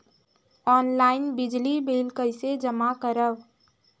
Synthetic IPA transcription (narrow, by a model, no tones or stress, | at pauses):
ɔːnlaːɪnbɪd͡ʒlibeːlkəɪsed͡ʒəmakəɾəw